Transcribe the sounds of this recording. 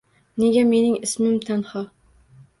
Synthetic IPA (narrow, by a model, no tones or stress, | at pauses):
neɡʲɛmenɪŋɪsmɪmt̪ʰænhɑ